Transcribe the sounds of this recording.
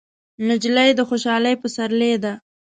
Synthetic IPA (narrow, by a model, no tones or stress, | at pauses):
nad͡ʒlajd̪əxoʃɑləjpəsaɾled̪a